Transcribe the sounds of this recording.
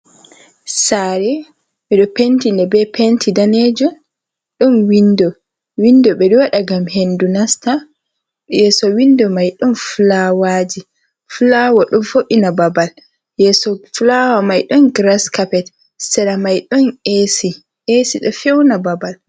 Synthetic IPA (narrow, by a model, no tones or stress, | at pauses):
saɾɛ | ɓɛɗɔpentindɛbɛpentʰidaned͡ʒɔ | ɗɔnwindɔ | windɔɓɛɗɔwaɗaɡamhendunasta | jɛsɔwindɔmajɗɔnfulawaːd͡ʒi | fulawaɗɔmfoʔinababal | jɛsɔflawamajɗɔnɡɾaskapɛt | sɛɾamajɗɔnesi | ʔesiɗɔfɛwnababal